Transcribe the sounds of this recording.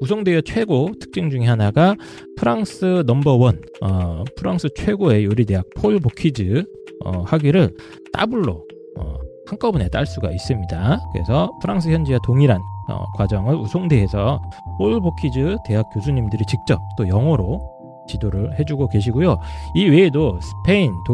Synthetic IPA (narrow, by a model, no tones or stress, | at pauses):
usʰoŋdeet͡ɕʰwe̞ɡotʰɯ̥k̚t͡ɕ͈iŋd͡ʑuŋiɦanaɡa | pʰɯɾaŋsʰɯnʌmbʌwʌn | ʌpʰɯɾaŋsʰɯt͡ɕʰwe̞ɡoe̞joɾit̬e̞ɦak̚pʰoɭbokʰid͡ʑɯ | ʌhaɡiɾɯɭ | t͈a̰buɭːo | ʌ̰haŋk͈ʌbune̞t͈a̰ɭs͈uɡa̰is͈ɯmɲidakɯɾḛsʰʌpʰɯɾaŋsʰɯçjʌnd͡ʑiwatoŋiɾanʌ̰kwad͡ʑʌŋɯɭusʰoŋde̞ɦe̞sʰʌpʰoɭbokʰid͡ʑɯte̞ɦak͈̚josʰuɲimdɯɾit͡ɕik̚t͡ɕ͈ʌp̚t͈ojʌŋwʌɾo | t͡ɕidoɾɯɭhe̞d͡ʑuɡoke̞ɕ̬ʰiɡojoiwe̞ːdosʰɯ̥pʰe̞into